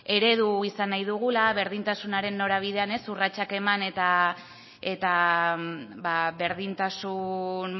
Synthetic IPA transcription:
e̞ɾe̞ð̞uisanːajðuɣ̞ulaβe̞ɾð̞int̪asunaɾe̞nːo̞ɾaβ̞iðe̞ane̞surat͡ʃake̞mane̞t̪a | e̞t̪a | baβe̞ɾð̞int̪asun

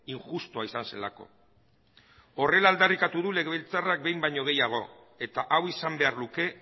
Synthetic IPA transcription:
iŋxust̪oaisanse̞̰lako̞̰ | o̞re̞laːld̪arikat̪uðule̞ɣeβelt͡sarak̚be̞jmbajɲo̞ɣ̞e̞jaɣ̞o̞ | e̞t̪aʔawisambe̞aɾluke̞

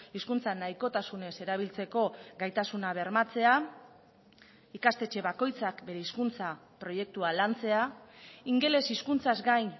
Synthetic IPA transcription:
iskunt͡sanajko̞t̪asune̞se̞ɾaβ̞ilt͡se̞ko̞ɡajt̪asunaβ̞e̞ɾmat͡se̞a | ikast̪e̞t͡ʃe̞βako̞jt͡sakbe̞ɾe̞iskunt͡sa | pɾo̞je̞k̚t̪ualant͡se̞aiŋɡe̞le̞siskunt͡sazɡajn

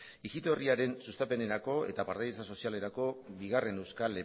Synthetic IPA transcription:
iɣit̪o̞riaɾe̞nsust̪ape̞ne̞ɾako̞e̞̰t̪apaɾt̪ajt͡saso̞siale̞ɾako̞βiɣare̞ne̞wskale

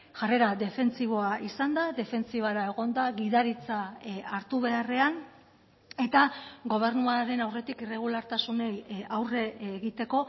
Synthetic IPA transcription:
ʝare̞ɾaðe̞fe̞nt͡siβ̞o̞aʔisand̪aðe̞fe̞nt͡siβ̞aɾae̞ɣ̞o̞nd̪aɣiðaɾit͡saaɾt̪uβe̞are̞an | e̞t̪aɣo̞β̞e̞ɾnuaɾe̞nawre̞t̪ikire̞ɣ̞ulaɾt̪asune̞jawre̞ɣit̪e̞ko̞

